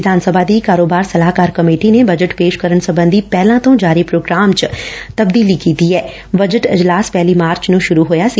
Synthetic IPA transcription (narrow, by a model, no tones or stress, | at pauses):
ɪd̪ʱaːnsəbʱaːd̪iːkaːɾoːbaːɾsəlaːkaːɾkəmeːʈiːnebəd͡ʒəʈpeːʃkəɾəɳsəbə̃nd̪ipɛːlãːt̪õːd͡ʒaːɾipɾoːɡɾaːmt͡ʃt̪əbd̪iːlikiːt̪iɛː | bəd͡ʒəʈɪ̰d͡ʒlaːspɛːliːmaːɾt͡ʃnũːʃʊɾuːɦoːjaːsiː